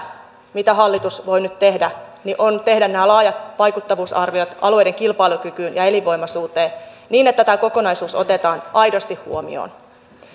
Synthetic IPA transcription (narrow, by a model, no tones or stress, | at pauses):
mit̪æɦɑlːit̪usʋo̞jnyt̪t̪e̞hdæniʔont̪e̞hdænnæːlɑːjɑt̪pɑjkut̪ːɑʋuːsɑ̰rʋio̞t̪ʔɑ̰lue̞jde̞ŋkilpɑilukykyːnjɑe̞liʋo̞jmɑsuːt̪e̞ːn | niːnet̪ːæt̪æko̞ko̞nɑjsuːso̞̰t̪e̞t̪ɑːnʔɑjdost̪ihhṵomḭo̰ːn